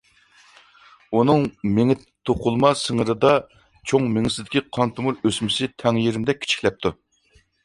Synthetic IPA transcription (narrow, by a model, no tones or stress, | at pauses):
unɨŋmeŋɪt̪ʰːoqʰʊlˠmɑsəŋəɾɨd̪ɑ | t͡ʃʰoŋmɪŋɪsɪd̪ɪkʲiqʰɑnt̪ʰumuɾøsmɪsɪt̪ʰɛŋjeɾɪmd̪ɛk̚ʲʰːi̥t͡ʃʰi̥kʲlɛp̚t̪ʰu